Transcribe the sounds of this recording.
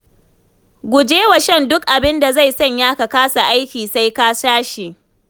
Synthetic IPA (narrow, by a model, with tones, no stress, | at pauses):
ɡʷʊ˨d͡ʒeː˦wɐ˨ʃɛ˦˨ndʊ˦k̚ʔa˨bɪ˦nda˨za˦˨jsɐ˦˨ɲjaː˦ka˨kaː˦sa˨ʔa˦jkʲiː˨sa˦jka˦saː˦ʃe˨ʔ